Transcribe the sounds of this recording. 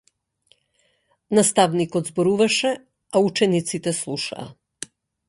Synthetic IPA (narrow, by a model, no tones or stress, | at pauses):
nast̪avnikɔd̪zbɔɾuvaʃɛ | aut͡ʃɛnit̪sit̪ɛslˠuʃa̰ː